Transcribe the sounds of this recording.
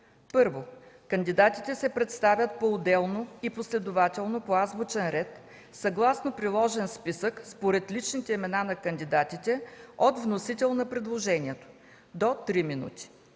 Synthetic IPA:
pɤɾvokənd̪id̪at̪it̪ɛsɛpɾɛt̪st̪avʲjət̪̚poːd̪ɛlˠnoiposlɛd̪ʊvat̪ɛlˠnopoazbot͡ʃɛnɾɛt̪ | sɐɡlˠasnopɾilˠɔʒɛnspisəkspoɾɛt̪lit͡ʃnit̪ɛimɛnanɐkənd̪id̪at̪it̪ɛot̪vnosit̪ɛlˠnɐpɾɛd̪lˠoʒɛnʲiɛt̪o̥ | d̪ot̪ɾiminṵt̪i̥

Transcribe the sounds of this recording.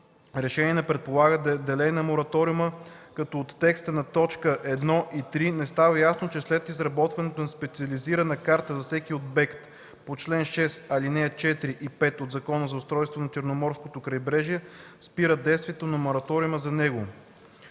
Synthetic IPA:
ɾɛʃɛniɛnɛpɾɛt̪̚polˠaɡəd̪ɛlɛjnɐmoɾɐt̪ɔɾiuməkɐt̪ɔot̪ːɛkst̪ənɐt̪ɔt͡ʃkəʔɛd̪nɔʔit̪ɾinɛst̪avəjasnot͡ʃɛslɛt̪izɾɐbɔt̪vɐnɛt̪onɐspɛt̪siɐliziɾɐnɐkaɾt̪əzɐfsɛkiod̪̚bɛkt̪ | pot͡ʃlɛnʃɛsɐlinɛɐt͡ʃɛt̪ɾiʔipɛt̪od̪zɐkɔnəzɐʊst̪ɾɔjst̪vonɐt͡ʃɛɾnomɔɾskot̪okɾɐjbɾɛʒiɛspiɾəd̪ɛjst̪viɛt̪onɐmoɾɐt̪ɔɾiuməzɐnɛɡo

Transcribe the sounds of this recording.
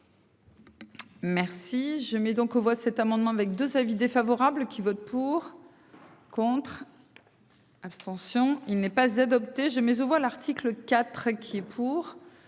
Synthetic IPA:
mɛʁsiʒəmɛd̪ɔ̃kovwasɛt̪amɑ̃d̪mɑ̃avɛk̚d̪øzavid̪efavɔʁablkʲivɔt̪̚puʁ | kɔ̃t̪χ | apst̪ɑ̃sjɔ̃ilnɛpazad̪ɔpt̪eʒəmɛzovwaʁlaʁt̪ʰikləkat̪χkʲʰiɛpʰuːʁ

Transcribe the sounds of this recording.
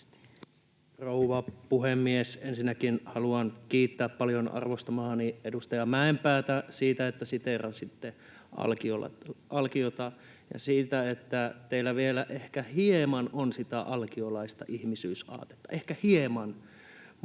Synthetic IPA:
rouʋɑpuhemːiesensinːækinhɑluɑnkiːt̪ːæːppɑljonɑ̰rʋost̪ɑmɑhɑniedust̪ɑjɑmæempæːt̪æsiːt̪æet̪ːæsit̪erɑnsit̪ːe | ʔɑ̰lkiolɑ̰ʔɑlkiot̪ɑ | jɑ̰siːt̪æet̪ːæt̪eilːæʋielæʔehkæhiemɑnonsit̪æʔɑlkiolɑist̪ɑ̰ʔihmisyːsɑ̰ːt̪e̥t̪ːɑ̥ʔehkæhiemɑn

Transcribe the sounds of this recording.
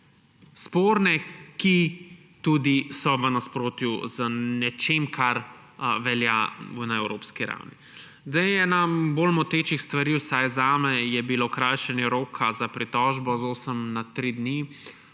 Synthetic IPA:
spoːɾnɛki | t̪uːd̪isɔʋənaspɾoːt̪juzənɛt͡ʃemkʰaɾ | ʋɛljanaɛwɾo̰ːpskiɾa̰wnḭ | zd̪ɛjɛnaboːlmɔt̪eːt͡ʃixst̪ʋaɾiːwsajzaːmɛjɛbilokɾajʃɛnjɛɾoːkʰazapɾit̪ɔʒbɔzoːsəmnat̪ɾid̪ni

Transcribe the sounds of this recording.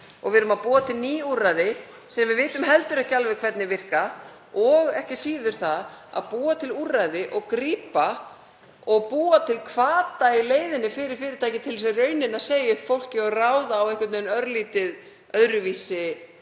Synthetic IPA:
ɔ̰ɣvɪɾʏmaðpuːat̪ʰɪlniːurajðɪ | sɛmvɪðvɪːt̪ʏmɦɛlt̪ʏɾɛhcɪalvɪkʰv̥ɛt̪nɪvɪr̥ka | ɔɣɛhcɪsiːðʏɾ̥θaða̰ðpuːat̪ʰɪlurajðɪʔɔɣkɾiːpa | ɔɣpuːat̪ʰɪlkʰvaːt̪aileːjðɪnːɪfɪːɾɪɾ̥fɪːɾɪɾt̪ʰaːjcɪt̪ʰɪls̬ɛrœːɥnɪnaseːjʏhfowl̥cɪɔɣraːwðaːwejhkvʏɾt̪neːnœɾliːt̪ɪð | œðɾʏviːsɪ

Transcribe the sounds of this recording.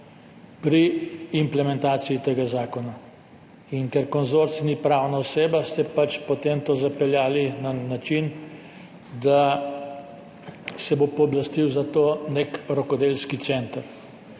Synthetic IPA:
pɾiːmplɛmɛ̃nt̪aːt̪siit̪eːɡazaːkɔna | iŋkɛɾkɔnzoɾt̪snipɾawnaɔseːbast̪ɛpat͡ʃpot̪emt̪oːzapɛljaːlinanat͡ʃin | d̪a | sɛbopɔːblast̪iwzat̪oːnekɾɔkɔd̪elskit̪sɛnt̪əɾ

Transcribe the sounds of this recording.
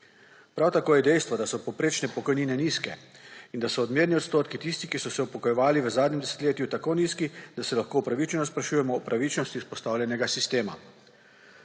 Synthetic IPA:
pɾawt̪akoːjɛd̪ɛjst̪ʋɔd̪asɔpɔwpɾeːt͡ʃnɛpɔkɔjniːnɛniːskɛind̪asɔːd̪mʲjeɾniɔt̪st̪oːt̪kit̪ist̪ikisɔsɛupɔkɔjɛʋaːliʋəzaːd̪ɲʲɛmd̪ɛsɛ̥t̪leːt̪jut̪akoːniːskid̪asɛlaxkoːwpɾaʋit͡ʃɛnɔspɾaʃujɛmɔːpɾʔaʋit͡ʃnɔst̪iuspɔst̪awlʲɛnɛɡasist̪eːma̰

